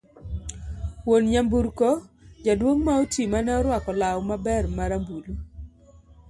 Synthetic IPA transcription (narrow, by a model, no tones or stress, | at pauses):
wonɲambuɾkɔd͡ʒadwoŋmaotimanɛɔɾwakɔlawmabɛrmaɾambulu